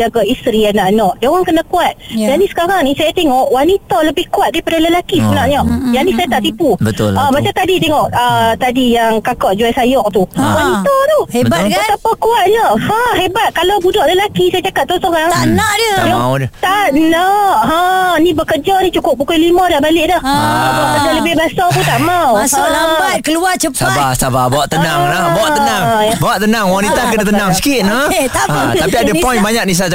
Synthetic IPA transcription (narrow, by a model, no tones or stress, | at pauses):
d͡ʒaɡaʔist̪ɾianaʔnɔʔdaoɾaŋkənakuat̪̚janisə̥kaɾaŋnisajat̪eŋɔʔwanit̪ɔləbɪhkuat̪̚daipadaləlakisəbənaʔɲɔʔjanĩsajat̪aʔt̪ipubət̪ʊlabat͡ʃat̪adit̪eŋɔʔət̪adijaŋkakɔʔd͡ʒuajsajɔʔ̚t̪uwanit̪ɔt̪uasapakuat̪̚ɲɔʔhãɦebat̪̚kalawbudɔʔləlakisajad͡ʒakat̪̚t̪ɔsoɾaŋnaʔdət̪aʔnɔʔanibəkəd͡ʒanit͡ʃukʊp̚bukojlimadahbalɪʔdahbaaʔk̪ədaləbɪhbasap̪ut̪aʔmawbat̪̚kəluat͡ʃəsabasababaaʔt̪ːənaŋlabaaʔ̪ənaŋbawaʔt̪ənaŋwanit̪akənat̪ənaŋsi̥kit̪̚nəat̪apiadəpɔ̃jnbaɲak̚nis̬a